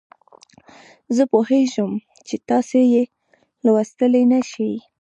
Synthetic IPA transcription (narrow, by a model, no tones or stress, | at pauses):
zəpoheʒəm | t͡ʃet̪ɑseje | lawast̪əlenaʃi